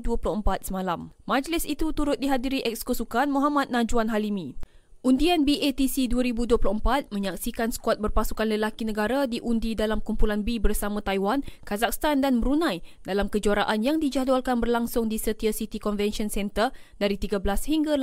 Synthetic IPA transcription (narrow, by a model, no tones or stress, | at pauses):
duəplʊhəmpat̪̚səmãlammãd͡ʒlɪsit̪ut̪uɾʊt̪̚diɦadiɾiʔɛk̚skosukanmɔɦamat̪̚nãd͡ʒuanɦalimĩ | ʔundianbiet̪isiduaɾibuduəplʊhəmpat̪̚mə̃ɲaksikansə̥kuat̪̚bərpasukanləlakinə̃ɡaɾadiʔundidalamkumpulanbibərsamãt̪ajwankazak̚st̪andanməɾunãjdalamkəd͡ʒuaɾaʔanjaŋdid͡ʒadwalkanbərlaŋsʊŋdisət̪iasit̪ikɔnvɛnʃiɔnsɛnt̪ər | daɾit̪iɡabəlashiŋɡa